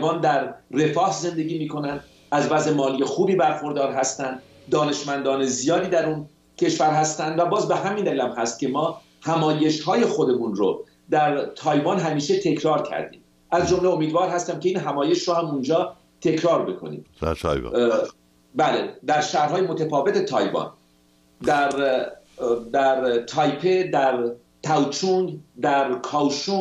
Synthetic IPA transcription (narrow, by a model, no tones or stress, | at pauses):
vɑnd̪æɾre̞fɒːhze̞nd̪e̞ɡʲiːmiːkʰo̞nænd̪ | æzvæzemɒːliːje̞xuːbiːbæɾxo̞ɾd̪ɒːɾɦæst̪ænd̪ | d̪ɒːne̞ʃmænd̪ɒːnezijɒːd̪iːd̪æɾun | cʰe̞ʃvæɾɦæst̪ænd̪væbɒːzbe̞ɦæmiːnd̪æliːlæmɦæst̪̚kcʰe̞mɒː | hæmɒːje̞ʃhɒːje̞xo̞d̪e̞munɾo̰ | d̪æɾt̪ʰɒːjvɑnɦæmiːʃe̞t̪ʰe̞cʰɾɒːɾcʰæ̰ɾd̪ḭːm | ʔæzd͡ʒo̞mleomiːd̪vɒːɾɦæst̪æmceiːnɦæmɒːje̞ʃɾohæmund͡ʒɒː | t̪ʰe̞cʰɾɒːɾbekʰo̰nḭːm̰ | bæled̪æɾʃæhɾɦɒːje̞mot̪ʰæfɒːve̞t̪et̪ʰɒːjbɒ̰n | d̪æɾ | d̪æɾt̪ʰɒːjpʰed̪æɾ | t̪ʰæwt͡ʃʰund̪æɾkʰɒːwʃuː